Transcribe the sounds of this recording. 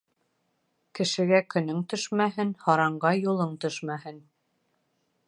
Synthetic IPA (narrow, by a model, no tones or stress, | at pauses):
kɘ̆ʃɘ̆ɡækɵ̆nɵŋt̪ɵʃmæɦɘnhɑɾɑɴɢɑjulˠɤɴt̪ɵʃmæhɘn